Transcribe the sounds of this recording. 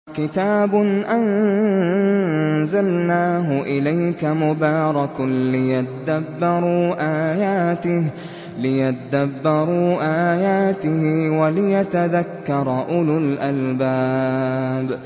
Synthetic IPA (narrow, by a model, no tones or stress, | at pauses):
kɪt̪aːbʊnʔan | zalnaːɦʊʔɪlajkamʊbɑːɾˤɑklɪjat̪ad̪abːɑɾˤuːʔaːjaːt̪ɪh | lɪjat̪ad̪abːɑɾˤuːʔaːjaːt̪ɪhɪwalɪjat̪aðakːɑɾˤɑʔʊlʊlʔalbaː | b